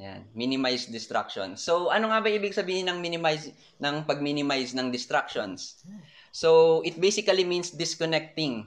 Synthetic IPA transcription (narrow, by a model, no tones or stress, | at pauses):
ja̰nminɪmajsd̪ɪst̪ɾa̰k̚ʃo̰nsowʔɐnoŋabɐʔiːbɪɡ̚sɐbiːhɪnɐŋminɪmajs | nɐŋpɐɡ̚minɪmajsnɐŋd̪ɪst̪ɾakʃons | sowʔɪt̪̚bejsɪkɐliminsd̪ɪskonɛk̚t̪ɪŋ